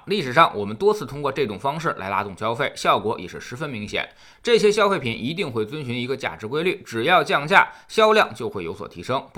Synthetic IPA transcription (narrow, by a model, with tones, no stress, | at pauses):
li˥˩ʂɻ̩˨˩ʂɑ˥˩ŋwɔ˨˩mə˦nt̪wɔ˥t͡sʰɹ̩˥˩t̪ʰʊ˥ŋkwɔ˧ʈ͡ʂɤ˥˩ʈ͡ʂʊ˨˩ŋfɑ˥ŋʂɻ̩˥˩lʔa̰˧˥ɪla̰˥t̪ʊ˥˩ŋɕjɑ˥ʊfe˥˩ɪɕjɑ˥˩ʊkwɔ˧˥jɛ̰˨˩ʂɻ̩˥˩ʂɻ̩˧˥fə˥nmi˧˥ŋɕjɛ̰˨˩˦n | ʈ͡ʂɤ˥˩ɕ̬jɛ˥ɕjɑ˥ʊfe˥˩ɪpʰi˨˩nʔi˧˥t̪i˥˧ŋxwe˥˩ɪt͡swə˥nɕy˧˥ni˧˥ɡə˧t͡ɕja̰˥˩ʈ͡ʂɻ̩˧˥kwe˥ɪly˥˩ʈ͡ʂɻ̩˨˩jɑ˥˧ʊt͡ɕjɑ˥˧ŋɕja̰˥˩ɕjɑ˥ʊljɑ˥˧ŋt͡ɕjo˥˧xwe˥˩ɪjo˧˥ʊswɔ̰˨˩t̪ʰi˧˥ʂɤ˥ŋp